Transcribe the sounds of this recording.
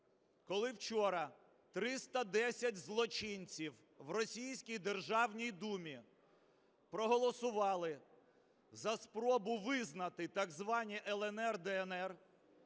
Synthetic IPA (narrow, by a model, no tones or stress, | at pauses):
kɔlˠɪwt͡ʃɔɾɐ | t̪ɾɪst̪ɐd̪ɛsʲɐtʲzlˠɔt͡ʃinʲt͡sʲiw | ʋrɔsʲijsʲkʲijd̪erʒɑwnʲijd̪umʲi | pɾɔɦɔlˠɔsʊʋɑlˠɪ | zɐspɾɔbʊʋɪznɐt̪ɪt̪ɐɡzʋɑnʲiʔɛlˠɛnɛrd̪ɛɛnɛr